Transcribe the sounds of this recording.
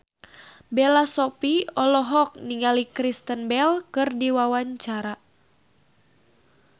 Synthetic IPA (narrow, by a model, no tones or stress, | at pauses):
belasɔpiɔlɔɦɔk̚niŋalikɾist̪ənbɛlkɨrdiwawaɲt͡ʃaɾa